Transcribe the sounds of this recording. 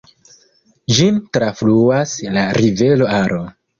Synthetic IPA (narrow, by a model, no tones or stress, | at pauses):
d͡ʒintɾafluaslaɾive̞lo̞aɾo